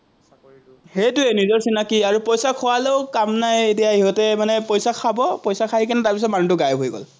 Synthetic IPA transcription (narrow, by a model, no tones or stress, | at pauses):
hejtʊenizɔɹsinakiaɹupojsakʰɔwaleʊkamnajet̬ijaɦiɦɔtɛmanɛpojsakʰabɔpojsakʰaɦikinɛtaɹpis̬ɔt̚manutʊɡajbʱojɡɔ̰l